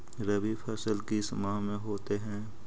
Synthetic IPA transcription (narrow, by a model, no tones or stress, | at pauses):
ɾɐbipʰɛsəlkismaːmẽɦoːt̪eɦɛ̃ː